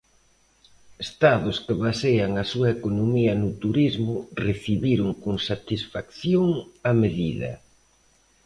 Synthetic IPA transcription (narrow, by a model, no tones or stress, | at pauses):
est̪aðʊskɪβasejaŋɐsuɐekonomiɐnʊt̪uɾizmʊreθiβiɾʊŋkoŋsat̪isfakθjoŋɐmeðiðɐ̰